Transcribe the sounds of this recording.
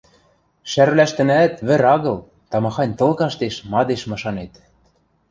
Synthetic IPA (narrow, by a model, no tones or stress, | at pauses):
ʃærβlæʃt̪ɘ̆næt̪βɘ̆ɾɑɣɤ̆l | t̪ɑmɑxɑnʲt̪ɤ̆lkɑʃt̪eʃmɑd̪eʃmɤ̆ʃɑnet̪